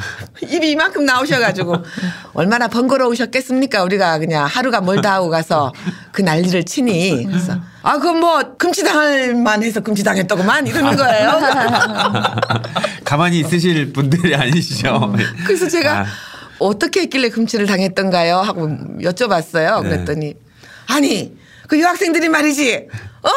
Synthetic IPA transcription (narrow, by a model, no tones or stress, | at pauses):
ibimankʰɯmnaoɕ̬ʰʌɡad͡ʑiɡoʌ̰ɭmanapʌnɡʌɾʌoɕʰʌt̚k͈e̞s͈ɯmɲik͈auɾiɡakɯɲaŋhaɾuɡamʌɭtaɦɡoɡasʰʌkɯnaʎːiɾɯɭt͡ɕʰinikɯɾɾesʰʌ | akɯɡʌmwʌkɯmt͡ɕʰidaŋɯɭmanhe̞sʰʌkɯmt͡ɕʰidaŋɦe̞t͈ʌɡomaniɾʌnɯnɡʌejjo | kamaɲis͈ɯɕ̬ʰiɭbundɯɾiaɲiɕʰid͡ʑokɯɾes̬ʰʌt͡ɕe̞ɡaʌt͈ʌkʰe̞ɦek͈iɭːekɯmt͡ɕʰiɾɯɭtaŋe̞t̚t͈ʌnɡajoɦaɡojʌt͡ɕ͈ʌbas͈ʌjokɯɾet͈ʌɲi | aɲi | kɯjʌɦak̚s͈ʰe̞ŋdɯɾimaɾid͡ʑiʌ